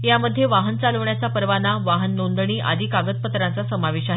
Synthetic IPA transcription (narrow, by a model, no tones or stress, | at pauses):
jaməd̪ʱːjeʋaɦənt͡saləʋɳjat͡sapəɾʋanaʋaɦənːond̪ɳ̃iːʔa̰d̪ʱiːkaɡət̪̚pət̪ɾãnt͡sasəmaʋeɕaɦe